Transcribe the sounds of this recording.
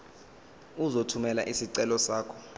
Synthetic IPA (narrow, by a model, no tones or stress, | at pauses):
uzotʰumɛlaʔisiǀɛlɔsaːkʰɔ̥